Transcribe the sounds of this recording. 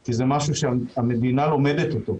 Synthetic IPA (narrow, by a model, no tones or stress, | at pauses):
kizemaʃuʃeaame̞d̪inalo̞me̞det̪ot̪o̞